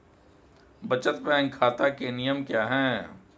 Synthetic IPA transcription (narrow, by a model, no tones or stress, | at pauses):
bɐt͡ʃət̪bɛ̃ːŋkʰaːt̪akenijəmkjaːɦɛ̃ː